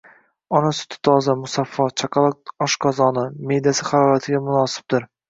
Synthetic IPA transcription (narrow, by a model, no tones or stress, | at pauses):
ɒnasʊ̥t̪ʰɪ̥t̪ʰɒzamʊsafːɒt͡ʃʰaqʰɑlˠɒɒʃkʰɒzɒnɪme̞jd̪asɪχɑɾɒɾat̪ʰɪɡʲamʊnɒsɪ̥b̚d̪ɪɾ